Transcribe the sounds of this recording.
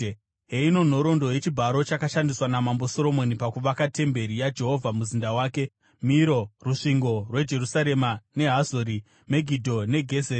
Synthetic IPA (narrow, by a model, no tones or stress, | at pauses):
ɦeino̞n̤o̞ɾo̞ndo̞je̞t͡ʃibʱaɾo̞t͡ʃakaʃandiswanamambo̞so̞ɾo̞mo̞nipakuʋakate̞mbe̞ɾijad͡ʒe̞ɦo̞vʱamuzindawaːke̞ | miɾo̞ruʂiŋɡo̞rwe̞d͡ʒe̞rusaɾe̞mane̞ɦazoɾi | me̞ɡʱidʱo̞ne̞ɡʱe̞zeː